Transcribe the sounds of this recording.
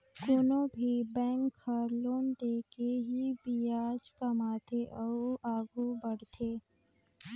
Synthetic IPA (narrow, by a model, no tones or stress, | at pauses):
konobʱibɛ̃ːŋkʰːəɾloːnd̪eːkeɦibijaːd͡ʒkəmaːt̪ʰeʔəuaːɡubɐɽt̪ʰeː